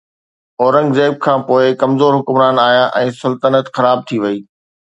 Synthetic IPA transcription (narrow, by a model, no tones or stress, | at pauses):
ɔːɾə̃ŋɡzeːb̚kʰãːpoːɪkɐmzoːɾɦʊkʊmɾaːnaːɦijaʔɛ̃ːsɐlt̪ənət̪xɐɾaːb̚t̪ʰiʋɐiː